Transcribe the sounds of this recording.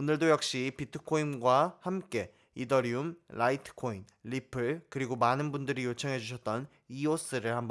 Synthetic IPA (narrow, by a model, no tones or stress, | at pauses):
onɯɭdojʌk̚ɕ͈ipitʰɯ̥kʰoinɡwahamk͈e̞ | idʌɾiumɭʔaitʰɯ̥kʰoinːipʰɯɭkɯɾiɡomanɯnbundɯɾijot͡ɕʰʌŋɦe̞d͡ʑuɕ̬ʰʌt̚t͈ʌn | ios͈ɯɾɯɭhambʌ